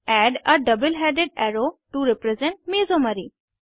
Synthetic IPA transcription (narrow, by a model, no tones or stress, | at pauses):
ɛɖaɖəbəlɦɛɖeɖɛɾoʈuɾɛpɾɛzɛ̃ɳʈ̚mizomaɾi